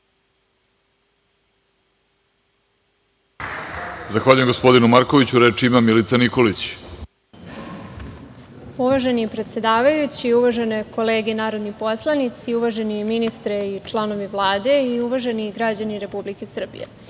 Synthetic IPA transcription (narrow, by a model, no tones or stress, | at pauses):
zaxʋaːʎujemɡospo̞d̪inumaɾko̞ʋit͡ɕuɾet͡ʂiimamilit̪saniko̞lit͡ɕ | uʋaʒe̞nipɾet̪se̞d̪aːʋajut͡ɕiuʋaʒe̞neko̞leːɡenaːɾo̞d̪nipo̞slˠanit̪siuʋaʒe̞niminist̪ɾeit͡ʂlˠano̞ʋiʋlˠaːd̪e̞iuʋaʒe̞niɡɾad͡ʑaniɾe̞publikesr̩bḭjḛ